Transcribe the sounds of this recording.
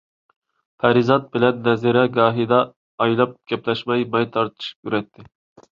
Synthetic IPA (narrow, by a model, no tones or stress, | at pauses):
pʰæɾizɑt̪̚bɪlɛnːɛzɪɾɛɡɑːɦid̪ɑː | jlˠɑp̚ɡ̥ʲɛplɛʃmɛjmɑjt̪ʰɑɾt̪ʰɨ̥ʃkʲyɾɛt̪ʰːɪ